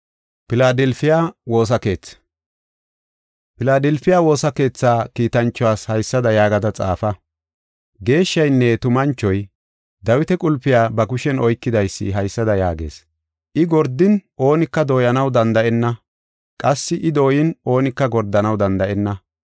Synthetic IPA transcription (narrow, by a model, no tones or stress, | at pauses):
pɪlaːd̪ɛlfɪjaːwo̞ːs̬ɐke̞ːt͡s | pɪlaːd̪ɛlfɪjaːwo̞ːsɐke̞ːt͡sːaːkiːt̪ɐnt͡ʃːɔwaːshɐjsːɐd̪ɐjaːɡɐd̪ɐt͡sʼa̰ːfɐ | ɡe̞ːʃːɐjnːɛt̪ʊmɐnt͡ʃːɔj | d̪ɐwɪt̪ɛkʼʊlpːɪjaːbɐɡʊʃɛnɔjkːɪd̪ɐjsːɪ̰ɦɐjsːɐd̪ɐjaːɡe̞̰ːs | ʔɪɡɔɾd̪ɪnʔo̞ːnɪkːɐd̪o̞ːjɐnɐwd̪ɐnd̪ɐʔɛnːɐ | kʼɐsːɪʔɪd̪o̞ːjɪno̞ːnɪkːɐɡɔɾd̪ːɐnɐwd̪ɐnd̪ɐʔɛnːɐ